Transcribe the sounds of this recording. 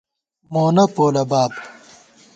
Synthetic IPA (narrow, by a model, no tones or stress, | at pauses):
moːnɐpoːlɐbaːb